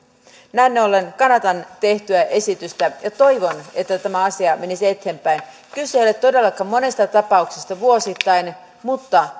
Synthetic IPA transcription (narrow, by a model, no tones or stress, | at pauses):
næinːeolːe̞nkɑnɑt̪ɑnt̪e̞ht̪yæʔe̞sit̪yst̪æjɑt̪o̞jʋo̞ne̞t̪ːæt̪æmæɑsiɑme̞nisie̞t̪hempæjn | kylseolet̪ːo̞de̞lːɑkɑmːo̞ne̞st̪ɑt̪ɑpɑuksist̪ɑʋuo̞sit̪ːɑin | mut̪ːɑ